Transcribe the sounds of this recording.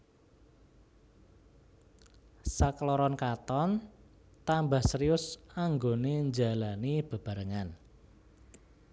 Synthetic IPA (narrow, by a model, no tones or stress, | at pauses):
saklɔɾɔnkat̪ɔn | t̪ambahsəɾiʊsaŋɡoneɲd͡ʒalanib̥ə̤b̥a̤ɾəŋan